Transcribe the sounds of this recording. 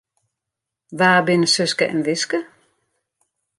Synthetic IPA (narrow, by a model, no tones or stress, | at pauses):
ʋaːbɪnəsøskəʔɛ̰nʋɪskə